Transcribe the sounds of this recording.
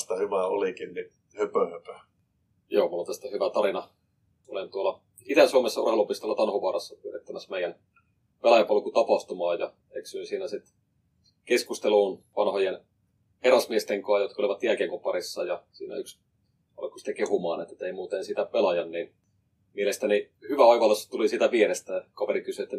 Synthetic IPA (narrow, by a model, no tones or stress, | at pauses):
st̪ɑhyʋæolikinni | høpøhøpø | joːmulːont̪æst̪æhyʋæt̪ɑɾinɑ | o̰lint̪uolɑ | it̪ænsuomesːɑṵrhelupist̪olːɑt̪ɑnhoʋɑːrɑsːɑpyøret̪ːæmæsmeijæn | pelɑjɑpɑlkut̪ɑpɑht̪umɑːjɑ | eksynsiːnæsit̪ | keskust̪eluːnʋɑnhojen | erɑsmiest̪eŋkɑːjot̪kɑoliʋɑt̪jælkeŋkopɑrisːɑjɑsḭːnæ̰yks | ɑ̰lkːu̥sit̪ækehumɑːnet̪ːˑet̪eimuːt̪ensit̪æpelɑjɑnniːn | mielest̪æni | hyʋæɑiʋɑlːesːɑ̥t̪ulisit̪æʋieɾest̪ækɑʋeɾikysyet̪ːæ